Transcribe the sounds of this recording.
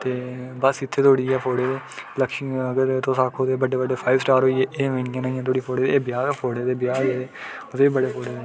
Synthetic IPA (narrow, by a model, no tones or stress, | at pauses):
t̪eːbəsɪt̪ʰːeːt̪ʰoːɽiːɛːpʰoːɽeːd̪eːləkʃiəɡəɾt̪õːsaːkʰɦoːd̪eːbəɖeːbəɖeːpʰaːɪʋsʈaːɾɦoːiːeːʔeːʋẽːnijãːnaːĩjãt̪̬ʰoːɽiːpʰoːɽeːd̪eːbɪjaːpʰoːɽeːd̪eːbɪjaːɾeeːot̪eːibəɽeːpʰoːɽeːd̪e